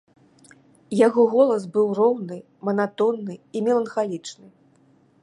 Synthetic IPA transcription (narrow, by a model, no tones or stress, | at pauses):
jaɣɔɣɔlˠɐs̬bɨwrɔwnɨ | mɐnat̪ɔnːɨimʲɛlˠɐnxalʲit͡ʂnɨ